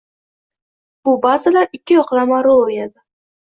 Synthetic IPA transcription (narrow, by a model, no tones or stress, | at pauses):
b̥ʊbazɪlaɾɪkʲʰːɪjɒqlˠamaɾoojad̪ɪ